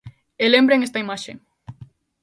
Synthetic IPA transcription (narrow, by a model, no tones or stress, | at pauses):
elembɾeŋest̪ɐimaʃe